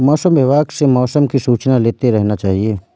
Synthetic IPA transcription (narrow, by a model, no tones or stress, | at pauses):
mɔːsəmʋeʋaːɡsemɔːsəmkisuːt͡ʃnaleːt̪eɾɛɦnat͡ʃaːɦieː